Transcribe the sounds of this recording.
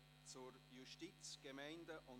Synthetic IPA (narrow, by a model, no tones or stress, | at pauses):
t͡suɾjuʃtit͡sɡ̥emɛɪndəʔʊn